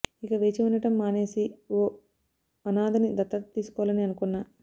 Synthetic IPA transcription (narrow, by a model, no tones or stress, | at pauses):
ikɐʋe̞ːt͡ʃiunɐʈɐmːaːne̞ːsio | ɐnaːd̪ɐnid̪ɐt̪ːɐt̪iːsu̥kɔʋlɐniɐnukunːaː